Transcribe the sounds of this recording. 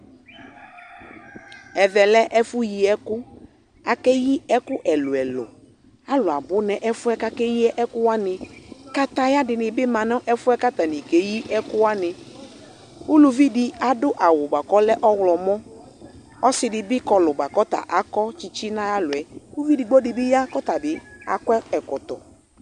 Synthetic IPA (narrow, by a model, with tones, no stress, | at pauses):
ɛ˨ðɛ˨lɛ˦ʔɛ˦fʊ˦ji˨ɛ˦kʊ˦ | a˨kɛ˦ji˦ɛ˦kʊ˦ʔɛ˨lʊ˨ɛ˨lʊ̰˨ | a˦lʊ˨a˨bʊ˦nɛ˨ʔɛ˦fʊ˦ɛ˦ka˦kɛ˦ji˦ɛ˦ʔɛ˦kʊ˦wa˦nɪ˨ka˦t̪a˦ja˦dɪ˨nɪ˨bɪ˦mã˨nɔ˦ʔɛ˦fʊ˦ɛ˦ka˦t̪a˨nɪ˨ke˨ji˦ʔɛ˦kʊ˦wa˦nɪ˨ | u˦lu˨vi˦di˨a˨dʊ˦ʔa˨wʊ˨ba˨kɔ˦lɛ˦ʔɔ˦wlɔ˨mɔ˦ | ɔ˦sɪ˨dɪ˨bɪ˦kɔ˨lʊ˨ba˨kɔ˦ta̰˨ʔa˨kɔ˦t͡ʃi˦t͡ʃi˦na˦ja˦lʊ˨ɛ˨˦u˦vi˦di˨ɡ͡bɔ˦dɪ˨bɪ˦ja˦kɔ˦ta˨bɪ˨a̰˨kʷɛ˦ɛ˨kɔ˨tɔ̰˨